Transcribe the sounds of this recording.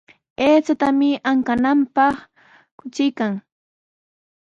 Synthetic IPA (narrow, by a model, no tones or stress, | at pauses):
eːt͡ʃat̪amɪaŋkanampɑχ | kʊt͡ʃɪjkaŋ